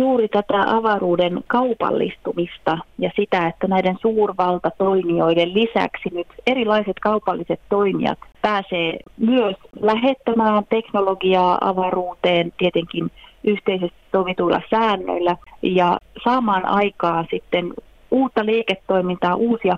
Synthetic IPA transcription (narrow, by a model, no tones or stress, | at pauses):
juːɾit̪æt̪æʔɑʋɑruːdenkɑupɑ̰lːḭst̪umist̪ɑjɑsit̪æet̪ːænæidensuːrʋɑlt̪ɑt̪oimioidellisæ̰ksinyt̪eɾrilɑiset̪kɑupɑlːiset̪toimḭɑ̰t̪pæːseːmyøslæɦet̪ːæmæːnt̪eknoloɡiɑːɑ̰ʋɑruːt̪eːnt̪iet̪eŋkinʔyht̪eisest̪i̥ssoʋit̪uilʔɑ̰sæːnːø̰ilːæjɑsɑːmɑːnʔɑ̰ikɑːnsit̪ːen | uːt̪ːɑleːket̪ːoimint̪ɑːʔuːsiɑ